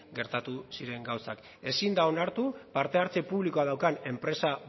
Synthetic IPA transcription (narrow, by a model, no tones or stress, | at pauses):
ɡe̞ɾt̪at̪usiɾe̞ŋɡawsak | e̞sind̪ao̞naɾt̪upaɾt̪e̞aɾt͡sepuβliko̞aðawkane̞mpɾe̞sa